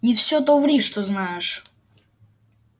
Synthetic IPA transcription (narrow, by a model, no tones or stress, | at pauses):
nʲɪfsʲot̪ovɾʲiʂt̪oznajɪʂ